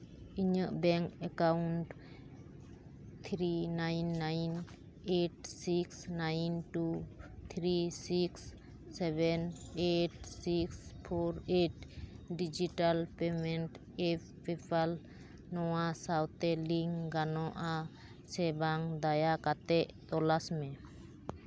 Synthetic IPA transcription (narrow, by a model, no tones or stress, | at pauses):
iɲəʔbɛŋkɛkawnʈ | t̪ʰɾinajnːajn | eʈsiksnajnʈut̪ʰɾisiksː | ɛbɛneʈsikspʰoɾeʈɖid͡ʒiʈəlpemenʈ | ep | pipʰal | nɔwasawt̪eliŋɡɡanɔʔa | sebaŋd̪ajakat̪eʔt̪ɔlasmẽ